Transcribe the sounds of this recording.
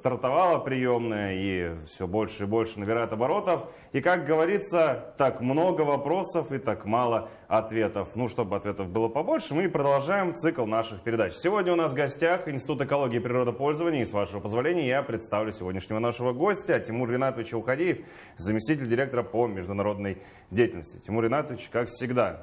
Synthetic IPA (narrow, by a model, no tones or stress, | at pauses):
st̪ərt̪ɐvalˠəpɾʲɪjo̞mnəjəifsʲobo̞lʲʂɨɪbo̞lʲʂɨnəbʲɪɾajət̪ɐbɐɾo̞t̪əf | ikak̚ɡəvɐɾʲit̪sət̪akmno̞ɡəvɐpɾo̞səfɨt̪akmalˠə | ɐt̪vʲe̞t̪əfnuʂt̪o̞bɨɐt̪vʲe̞t̪əvbɨlˠəpɐbo̞lʲʂɨmɨpɾəd̪ɐlˠʐajɪmt̪sɨklˠnaʂɨxpʲɪɾʲɪd̪at͡ɕsʲɪvo̞dʲnəʊnasvɡɐsʲtʲaxɪnsʲt̪ʲɪt̪ut̪ɨkɐlˠo̞ɡʲɪːpɾʲɪro̞d̪əpo̞lʲzəvənʲɪjəɪsvaʂəvəpəzvɐlʲenʲɪjəjapɾʲɪt̪st̪avlʲʊsʲɪvodʲnʲɪʂnʲɪvənaʂəvəɡo̞sʲtʲətʲɪmurːʲɪnat̪əvʲɪt͡ɕəʊxɐdʲijɪf | zəmʲɪsʲtʲitʲɪlʲdʲɪɾʲe̞k̚t̪əɾəpəmʲɪʐd̪ʊnɐɾo̞d̪nəj | dʲejtʲɪlʲnəsʲtʲɪ̥tʲɪmurʲɪnat̪əvʲɪt͡ɕkakfsʲɪɡd̪a